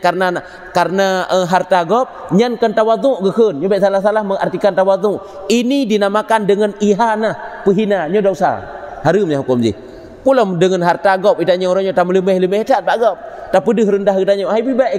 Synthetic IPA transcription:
karnaa | karənaʔəɦart̪aɡɔp̚ | ɲankənt̪awat̪uʔɡəkənɲobɛʔsalahsalahməŋa̰rt̪ikant̪awat̪uʔ | inidinamakandəŋəniɦanahpəɦinaɲɔdausa̰haɾɨmɲaɦukumd͡ʒḭh | pulɔmdəŋənɦart̪aɡɔp̚it̪aɲɔuɾaɲɔt̪amələməhləmɛhtʰat̪̚baʔɡɔp̚t̪apədəhɾəndaɦɡət̪aɲɔʔhajbibaʔ

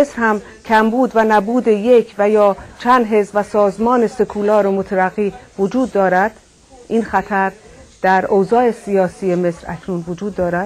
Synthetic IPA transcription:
esɾhæm | kcʰæmbuːd̪vænæbuːd̪eje̞kʰvæjɒːt͡ʃʰænd̪ɦe̞zvæsɒːzmɒːnese̞kʰulɒːɾomot̪ʰæɾæɣːiːvod͡ʒuːd̪ːɒːɾæd̪̥ | ʔiːnxæt̪ʰæɾd̪̥æɾowzɒːe̞sijɒːsije̞me̞sɾæ̰cʰnuːnvod͡ʒuːd̪ːɒːɾæd̪̥

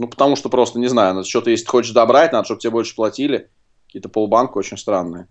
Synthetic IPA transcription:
nupə̥t̪ɐmuʂt̪opɾo̞st̪ənʲɪznajʊnot̪t͡ɕo̞t̪əjesʲɪt̪ɨxot͡ɕɪʂd̪ɐbɾatʲnad̪əʂt̪ob̚tʲɪbʲebo̞lʲʂɨ̥plˠɐtʲilʲɪ | kɐkʲijət̪əpolˠbankəot͡ɕɪnʲst̪ɾanːɨjə

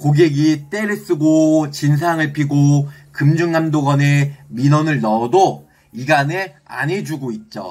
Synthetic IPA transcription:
koɡeɡit͈e̞ɾes͈ɯɡot͡ɕins̬ʰaŋɯɭpʰiɡo | kɯmd͡ʑuŋːamdoɡʌneminʌnɯɭnʌdo | iɡane | a̰nɦed͡ʑuɡoit̚t͡ɕ͈o̰

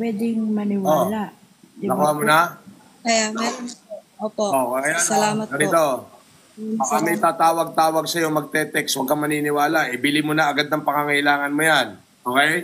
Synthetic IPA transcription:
pwɛd̪ɪŋmɐnɪwolaʔ | ɐkoamona | kɐjaa | oːpoʔokɐɐjanɐlaːmɐt̪ɡɐnɪt̪o | akamɐjt̪aːt̪aːwɐɡ̚t̪aːwɐɡ̚sɐjo̞mɐɡ̚t̪ɛt̪ɛkswɐɡ̚kɐmɐninɪwaːlaʔɪbilɪmʊnɐʔɐɡad̪ɐŋpɐŋaŋɐʔɪlaːŋɐnmojan | ʔokej

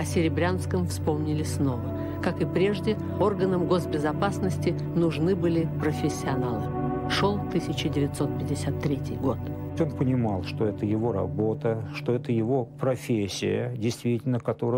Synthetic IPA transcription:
ɐsʲɪɾʲɪbɾʲanskəmfspo̞mnʲɪlʲɪsno̞və | kakɨpɾʲe̞ʐdʲɪ | o̞rɡənəmɡo̞sbʲɪzɐpasnəsʲtʲɪ | nʊʐnɨbɨlʲɪpɾəfʲɪsʲːɪɐnalˠɨʂolˠt̪ɨsʲɪt͡ɕɪdʲɪvʲɪt̪so̞t̪̚pʲɪdʲɪsʲat̪ːɾʲetʲɪjɡo̞t̪ | onpənʲɪmalˠʂt̪oɛt̪əjɪvo̞ɾɐ̰bo̞t̪əʂt̪o̞ɛt̪əjɪvo̞pɾɐfʲesʲːɪ̰jə̰dʲɪjst̪vʲitʲɪlʲnəkɐt̪o̞ɾə

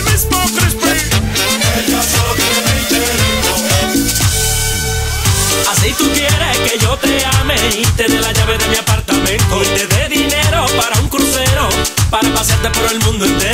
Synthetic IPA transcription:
mispot̪ɾispi | asoeit̪eɾio | asejt̪ukjeɾeke̞ʝo̞t̪e̞ameint̪e̞ðe̞laʝaβe̞ðe̞miapaɾt̪amẽ̞nt̪oit̪e̞ðeðine̞ɾo̞paɾauŋkɾuθe̞ɾo̞paɾapasjaɾt̪e̞po̞ɾe̞lmũnd̪oent̪e

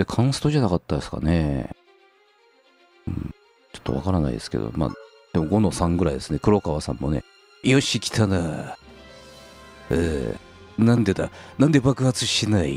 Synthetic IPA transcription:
d̪ekʰãɰ̃sɨ̥t̪oʑanakat̪ːad̪esɨ̥ka̰ne | ɯ̰̃ | t͡ɕo̥t̪ːo̞βa̰kaɾana̰id̪e̞sɨ̥ked̪o̰ma̰ː | d̪̥e̞mo̞ɡo̞nosãŋɡɯ̟ɾaid̪e̞sɨne̞kɯ̟ɾo̞kaβasã̰mːo̞ne̞̰ | ijoɕikʲi̥t̪ʰana | ḛ | nãnd̪e̞d̪anãnd̪e̞bakɯ̟hat͡sɨɕinaḭ

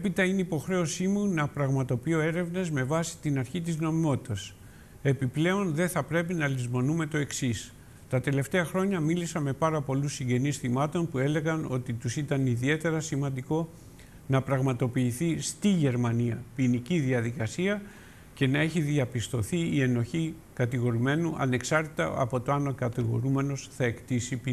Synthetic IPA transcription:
epit̪ɐineipo̞xɾe̞o̞simunɐpɾɐɣmɐt̪o̞pio̞e̞ɾe̞vne̞zme̞vɐsi̥t̪inɐɾçit̪izno̞mimo̞t̪i̥t̪ɐs | e̞piple̞o̞nðe̞θɐpɾe̞pinɐlizmo̞nume̞t̪o̞e̞ksis | t̪ɐt̪e̞le̞ft̪e̞ɐxɾo̞ɲɐmilisɐme̞pɐɾɐpo̞lusiɲɟe̞nisθimɐt̪o̞npue̞le̞ɣɐno̞t̪it̪usit̪ɐniðie̞t̪e̞ɾɐsimɐnd̪iko̞ | nɐpɾɐɣmɐt̪o̞piːθist̪iʝe̞ɾmɐniɐpiniciðiɐðikɐsiɐ | ce̞nɐe̞çiðiɐpist̪o̞θiːe̞no̞çi | kɐt̪iɣo̞ɾime̞nuʔɐ̰ne̞ksɐɾt̪it̪ɐ̰ʔɐ̰po̞t̪o̞ɐnokɐt̪iɣo̞̰ɾume̞no̞sθɐe̞kt̪isipi

